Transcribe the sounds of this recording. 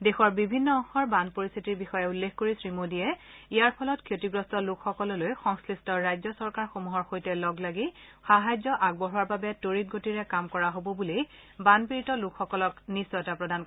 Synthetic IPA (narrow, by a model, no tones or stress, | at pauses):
dexɔɹbibʱinːɔɔ̃ŋxɔɹbanpoɹist̪ʰitiɹbixɔjɛulːexkoɹisɹimodiɛijaɹpʰɔlɔtkʰotiɡɹɔstɔlukxɔkɔlɔlojxɔŋskɹistɔɹajzɔsɔɹkaɹxomuɦɔɹxojtɛlɔɡlaɡixaɦajzɔʔaɡ̚bɔɦuaɹbabɛtoɹit̚ɡotiɹɛkamkɔɹaɦobɔbuli | banpiɹitɔlukʰxɔkɔlɔknisːɔɛtapɹɔdan